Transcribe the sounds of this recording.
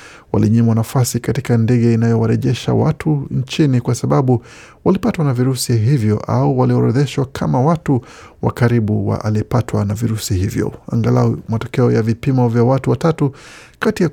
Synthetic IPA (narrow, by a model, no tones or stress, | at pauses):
wa̰liɲimwanafasikatikandɛɠɛinajɔwaɾɛʄɛʃa̰wa̰tʰuɲt͡ʃinikwasaɓaɓu | walipatwanaviɾusiɦivjɔʔa̰uwaliɔɾɛðɛʃwakʰamawatu | wa̰kaɾiɓuwa̰a̰liɛpatwanaviɾusihivjɔ̰a̰ŋɡalamatɔ̥kɛɔjavipimɔvjawatuwatatukatija